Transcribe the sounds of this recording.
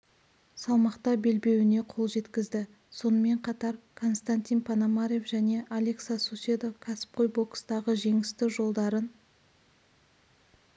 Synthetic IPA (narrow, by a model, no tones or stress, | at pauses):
sɑlˠmɑqt̪ɑbe̞lbe̞wɪne̞qʰo̞lˠʒe̞t̪kʲɪzd̪ɪ | so̞nəme̞ɴqʰɑt̪ɑɾkʰo̞nst̪anʲt̪ʲinpʰɑnamaɾje̞fʒæne̞ʔalʲeksasusʲed̪okʲʰasɪ̥p̚qʰo̞jbo̞kst̪ɑʁəʒe̞ŋɪst̪ɪʒo̞lˠd̪ɑɾən